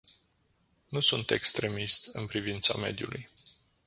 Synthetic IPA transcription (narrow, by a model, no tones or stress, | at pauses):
nusunt̪e̞kst̪ɾe̞mist̪ɨnpɾivint̪same̞̰d̪julʔuj